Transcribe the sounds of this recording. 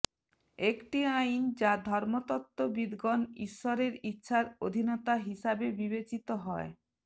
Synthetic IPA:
ekʈiajnd͡ʑad̪ʱɔɾmot̪ɔt̪ːobid̪ɡonḭʃːoɾeɾitːɕʰaɾod̪ʱinɔt̪aɦiʃabebibet͡ɕit̪oɦɔe

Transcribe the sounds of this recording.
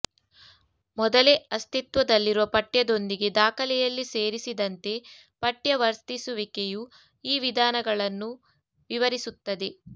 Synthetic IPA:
mɔd̪ɐleɐst̪it̪ʋɐd̪ɐlːiɾuʋɐpɐʈjɐd̪o̞nd̪iɡe̞d̪aːkɐlɛjɐlːise̞ːɾisid̪ɐnt̪e̞ | pɐʈjɐʋɐɾst̪isuʋikeju | iːʋid̪ʱaːnɐɡɐɭɐnːu | ʋiʋɐɾisut̪ːɐd̪e̞

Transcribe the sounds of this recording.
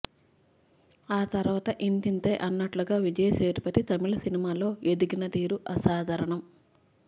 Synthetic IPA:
aːt̪ɐɾʋaːt̪ɐʔint̪int̪ejʔɐnːɐʈluɡaːʋid͡ʒɐjɐseːɾpɐt̪it̪ɐmiɭɐsinimaːlo̞ːe̞d̪iɡinɐt̪iːɾuʔɐsaːd̪ʱɐɾɐɳɐm

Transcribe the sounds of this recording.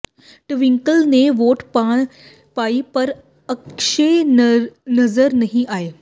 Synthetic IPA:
ʈʋiŋkəlneʋoʈpaɽ̃ | paipəɾ | əkʃe | nəzəɾnəɦĩʔaɦe

